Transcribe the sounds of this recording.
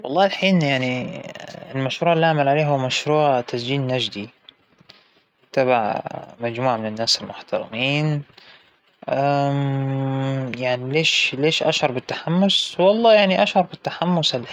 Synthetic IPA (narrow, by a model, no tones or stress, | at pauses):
wɑlˤːɑːɪlħiːnjaʕni | lmaʃɾuːʕɪlːiːʔaʕmalʕaleːɦʊwːamaʃɾuːʕt̪asd͡ʒiːnːad͡ʒd̪i | t̪abaʕmad͡ʒmuːʕamɪnɪnːaːsɪlmʊħt̪ɑɾˤɪ̰miːn | ʔa | jaʕnileːʃleːʃʔa̰ʃhɑɾˤbɪt̪ːḁħamːʊswɑlˤːɑːjaʕniʔaʃhɑɾˤbɪt̪ːaħamːʊsal